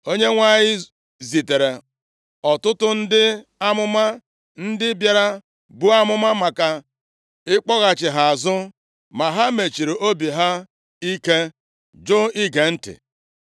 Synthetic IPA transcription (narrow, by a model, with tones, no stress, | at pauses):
o˦ɲe˦ŋʷa˦ɲɪ˦ | zi˨te˨ɾe˨ | ɔ˨tʊ˦tʊ˦n̩˦dɪ˦a˦mʊ˦ma˦ | n̩˦dɪ˦bja˦ɾa˦ | bu˦a˦mʊ˦ma˦ma˨ka˨ | ɪ˦k͡pɔ˦ɣa˨t͡ʃɪ˨ɦa˨a˨zʊ˦ | ma˨ɦa˦me˨t͡ʃi˨ɾe˨ʔo˦bi˨ɦa˦ | i˦ke˦ | d͡ʒʊ˦i˦ɡe˨n̩˦tɪ̰˨